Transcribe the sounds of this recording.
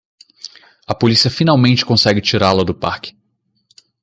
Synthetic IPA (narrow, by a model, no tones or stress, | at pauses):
ɐpolisiɐfinawmẽnt͡ʃɪ̥kõsɛɡɪt͡ʃiɾalɐd̪ʊpaɾkɪ̥